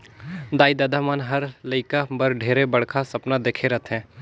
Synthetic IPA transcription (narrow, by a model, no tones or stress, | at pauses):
d̪aːid̪aːd̪ʱamaːnɦɐɾlɐɪkabɐɾɖʱeːɾebɐɽkʰasɐpnad̪eːkʰeɾɐt̪ʰɦɛ̃ː